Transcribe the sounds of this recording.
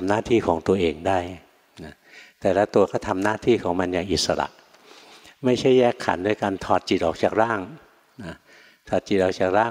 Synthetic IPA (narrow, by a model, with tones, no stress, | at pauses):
mnaː˥˩t̪ʰiː˥˩kʰɔː˩˦ŋt̪u˧ɐʔeː˧ŋdaː˥˩j | na˦˥ | t̪ɛː˨˩laː˦˥t̪u˧ɐkʰɔː˥˩t̪ʰa˧mnaː˥˩t̪ʰiː˥˩kʰɔː˩˦ŋma˧njaː˨˩ŋʔi˨˩t̪̚sa˧ɾa̰˨˩ʔ | ma˥˩jt͡ɕʰa˥˩jːɛː˥˩kʰːa̰˩˦nːɯː˧jkaː˧nt̪ʰɔː˨˩t̪̚t͡ɕi˨˩t̪ʔɔː˨˩k̚t͡ɕaː˨˩k̚ɾaː˥˩ŋ | na˦˥˩ | t̪ʰɔː˨˩t̪̚t͡ɕi˨˩t̪̚ʔɔː˨˩k̚t͡ɕaː˨˩k̚ɾaː˥˩